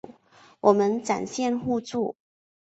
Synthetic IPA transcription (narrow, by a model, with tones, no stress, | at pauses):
wʔɔ˨˩mə˦nʈ͡ʂa̰˨˩nɕjɛ˥˧nxu˥˧t͡su˥˩